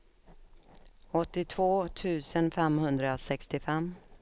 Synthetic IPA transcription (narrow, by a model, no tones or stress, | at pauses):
ɔt̪ːɪt̪ʰvoːt̪ʰʉ̟ːsənfɛmhɵnd̪ɾasɛkst̪ɪfɛmː